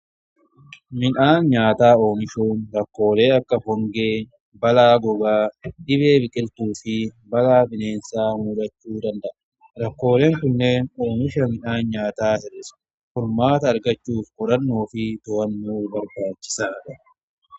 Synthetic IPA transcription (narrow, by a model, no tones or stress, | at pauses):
mɪnaːnɲaːt̪aːo̞ːmɪʃuːnɾɐkːo̞ːle̞ːɐkːɐhɔŋɡeː | bɐlaːɡɔbaːd̪ɪβe̞ːbɪkʼɪlt̪uːfɪ | bɐlaːbɪne̞ːnsaːmuːlɐt͡ʃːuːd̪ɐnd̪ɐʔɐ | ɾɐkːo̞ːle̞ːŋkʊnːe̞ːno̞ːmɪʃɐmɪnaːnɲaːt̪aːhɛɾɪs | fɔɾmaːt̪ɐːɾɡɐt͡ʃːuːfkʼɔɾɐnːoːfɪt̪ɔwɐnːuːbɐɾbaːt͡ʃːɪ̥saːd̪ɐ